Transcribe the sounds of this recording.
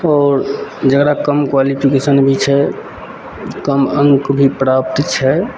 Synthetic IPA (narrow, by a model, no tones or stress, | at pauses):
ɔːɾd͡ʒəɡɾakəmkwalipʰikesənbʱit͡ʃʰɛ | kəmə̃ŋkbʱipɾaːpt̪t͡ʃʰɛ